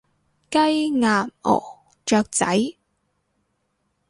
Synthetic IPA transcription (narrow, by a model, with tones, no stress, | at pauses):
kɐ˥jŋaː˨˩mɔ̰ː˨˩ | t͡ʃœː˧k̚t͡sɐ̰˨˥j